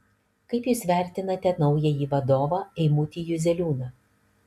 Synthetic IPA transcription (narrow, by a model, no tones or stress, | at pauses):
kɐɪpjuːsʋʲæˑɾʲt̪ʲɪnɐt̪ʲɛnɒʊjɛjiːʋɐd̪oːʋɑːɛɪmuːt̪ʲiːjʊzʲɛlʲuːnɐ